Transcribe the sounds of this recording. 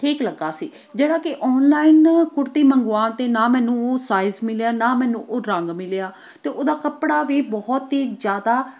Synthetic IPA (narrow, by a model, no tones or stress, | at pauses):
ʈʰiːkləɡaːsiː | d͡ʒeːɽãːkɪʔɔːnlaːɪnkʊɾt̪iːməŋɡʋaːnt̪eːnaːmɛ̃ːnũːsaːɪzmɪlejaːnaːmɛ̃ːnũːʔoːɾəŋɡmɪljaː | t̪eːʔoːd̪aːkəpɽaːʋiːbɔːt̪ɦiːd͡ʒjaːd̪aː